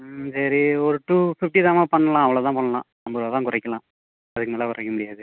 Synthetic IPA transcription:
sɐɾiɔɾɯʈuːfɪfʈiðaːmaːpɐɳːɐlãːɐʋɐɭot̪ãːpɐɳːɐlã̰ː | ɐmbɐɾʋaːt̪ãːkʊɾɐɪkːɐlãː | ɐðɯkːɯmeːlɐkʊɾɐkːɐmʊɽɪjaːðɯ

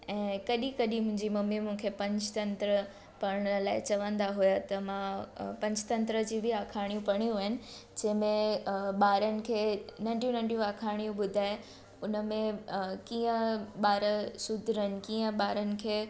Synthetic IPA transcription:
ɛ̃ːkɐɗikɐɗimʊ̃ɪ̃ɲd͡ʑimɐmːimũkʰepɐ̃ɲd͡ʑt̪ɐ̃nt̪ɾə | pɐɽɽ̃laːɪt͡ɕɐʋə̃nd̪aɦujat̪ɐmãpɐ̃ɲd͡ʑt̪ɐ̃nt̪ɾəd͡ʑiːbʱiaːkʰaːɽ̃ijũpɐɽ̃ijũəɦɪnɪ̆d͡ʑɐ̃ɦɪ̃mẽɓaːɾənɪ̆kʰeːnãɪ̃ɳʈjũnãɳɖjũaːkʰaːɽ̃ijũɓʊd̪ʱaːe | ʊnəmẽkiːə̃ɓaːɾəsʊd̪ʱɾəɦɪnɪ̆kĩːə̃ɓaːɾənɪ̆kʰeː

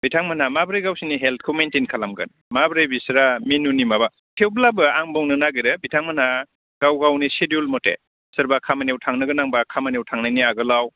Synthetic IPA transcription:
bitʰaŋmanamabɾejɡawsiniɦelt̚kʰɔmentinkʰalamɡɯ̰n | mabɾajbisɾaminunimaba | tʰewblabɯaŋbɔŋnɯnaɡiɾɯbitʰaŋmana | ɡ̥awɡawnisedulmɔtḛ | sɯɾbakʰamanewtʰaŋnɯɡɯnaŋbakʰamanewtʰaŋnajniaɡɯlaw

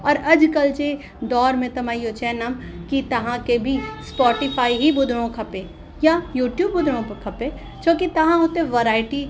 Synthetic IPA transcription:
ɔːɾɐd͡ʒkɐlt͡ʃe | d̪ɔːɾmẽt̪ɐmaːiɦot͡ʃɛnamkit̪ɐɦãkebʱispɔːʈɪpʰaːiɦibʊd̪ʱɾõkʰɐpẽ | jajuːʈjuːbːʊd̪ʱɾõpkʰɐpe | t͡ʃʰoːkit̪ɐɦãɦoːt̪eẽʋɐɾaːɪʈi

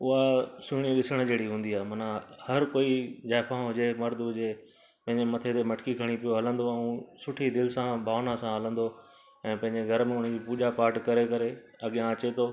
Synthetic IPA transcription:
ʊɦasʊɽ̃ĩɗɪsəɽ̃d͡ʑeːɽiɦũːn̆d̪iaːɦemɐnãhɐɾkoːid͡ʑaːpʰãɦʊd͡ʑemɐɾd̪ʱɦʊd͡ʑe | pɐ̃ɦɪ̃ɲd͡ʑemɐt̪ʰet̪emɐʈkikʰɐɽ̃ipijoɦɐlə̃nd̪oɛ̃ũsʊʈʰid̪ɪlsãbʱaːʋnasãɦɐlə̃nd̪o | ɛ̃ːpɐ̃ɦɪ̃ɲd͡ʑeɡʱɐɾmẽʊɽ̤ə̃d͡ʑipuːʄapaːɾʈkɐɾekɐɾe | ɐɠijãɐt͡ɕet̪ʰoː

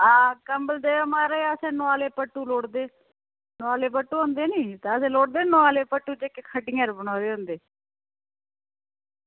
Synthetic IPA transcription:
aːkəmbəld̪eːomaːɾeːasẽːnʊaːleːpəʈːuːloːɽd̪eː | noaːleːpəʈːuːɦõːnd̪eːniːt̪aəsẽːloːɽd̪eːnoaːleːpəʈːuːd͡ʒekekʰəʈɪ̃ːəɾbənoːd̪eːɦõːnd̪eː

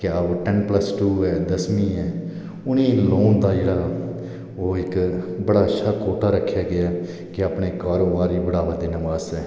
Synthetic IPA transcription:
kɪaːʈɛnpləsʈuːɛːd̪əsmĩːɛː | ʊnĩːloːnd̪aːd͡ʒeːɽaː | oːɪkbəɽaːt͡ʃʰaːkʰoːʈaːɾəkʰːjaːɡɪaː | kɪaːpɳeːkaːɾoːbaːɾiːbəɽaːʋəd̪eːnəʋaːzɛː

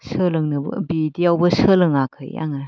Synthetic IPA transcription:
sʰɯlɯŋnɯbɐ̰bidijawbɐsɯlɯŋakʰɯ̰ja̰ŋa

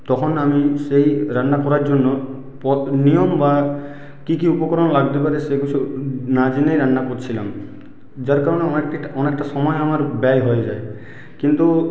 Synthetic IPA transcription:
t̪ɔkʰɔnamisejɾanːakɔɾaɹd͡ʒɔnːɔ | pɔnijɔmba | kikiupɔkɔɾɔnɔlaɡt̪ɛpaɾeseɡut͡ʃʰunad͡ʒinejɾanːakoɾt͡ɕʰila̰m | zaɾkaɾɔneɔeɔnek̚ʈasɔmɔjamaɾbeajɦojzaj | kint̪u

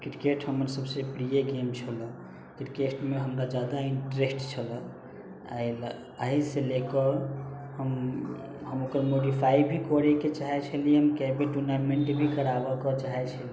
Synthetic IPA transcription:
kɾikeʈɦəməɾsəbsepɾijeɡemt͡ʃʰələ̃ | kɾikesʈmeɦəmɾad͡ʒad̪aiɳʈɾesʈt͡ʃʰələ | a̰jl | əɦiselekɔhəm | ɦəmokəɾmoɖipʰaibʱikɔɾɛket͡ʃaɦɛt͡ʃʰəlɦəmkɛbeʈuɾnaɾmeɳʈbʱikəɾabɔkɔt͡ʃaɦɛt͡ʃʰəli

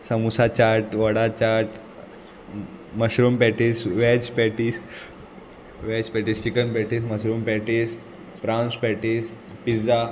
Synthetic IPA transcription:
səmusat͡ɕaɾʈʋəɽat͡ɕaɾʈ | məɕɾumpɛʈisʋɛt͡ɕpɛʈis | ʋɛt͡ɕpɛʈiːst͡ɕikənpɛʈiːsməɕɾumpɛʈis | fɾãnspɛʈis | pid͡za

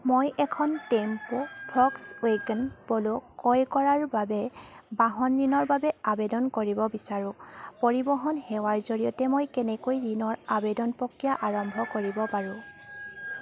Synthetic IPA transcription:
mojʔɛkʰɔntɛmpopʰɔksweɡɛnpolʊkɔjkɔɹaɹbabɛbaɦɔnɹinɔɹbabɛabedɔnkoɹibɔbisaɹʊ̃poɹibɔɦɔnhɛwaɹzoɹijɔtɛmojkɛnɛkojɹinɔɹabedɔnpɔkːijaʔaɹɔmbʱɔkoɹibɔpaɹʊ̃

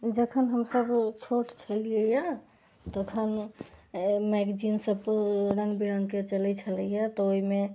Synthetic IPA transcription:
d͡ʒəkʰənɦəmsəbt͡ʃʰoʈt͡ʃʰəliəja | t̪əkʰən | mɛɡd͡ʒinsəbɾə̃ŋɡbiɾəŋɡket͡ʃəlɛt͡ʃʰələjat̪ɔoime

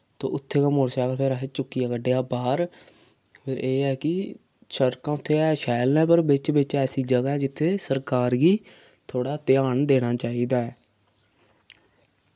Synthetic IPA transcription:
t̪õ̰ːʊt̪ʰːeːkaːmoːɽsaːklpʰeɾaːɦeːt͡ʃʊkːijaːkəɖeːaːbaːɾ | pʰɪɾʔeːɛːkɪ | ʃəɾkãːʊt̪ʰːeːɛːʃɛːlnɛ̃ːpəɾbɪt͡ʃbɪt͡ʃɛːsiːd͡ʒəɡaːɛːd͡ʒɪt̪ʰːeːsəɾkaːɾɡiː | t̪ʰoːɽaːt̪ɪaːɳd̪eːɽ̃aːt͡ʃaːiːd̪aːɛː

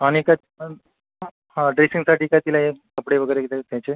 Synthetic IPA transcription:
aɽ̃ika | hãɖɾesiŋɡsaʈiːkat̪ilaɦekəpɽeʋəɡəjɾeɡet̪et̪jat͡ɕe

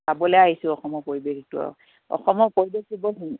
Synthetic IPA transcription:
abɔlɛaɦisʊ̃ɔxɔmɔɹpoɹibekitʊɔ̰ | ɔ̰xɔmɔɹpoɹibekibɔɦi

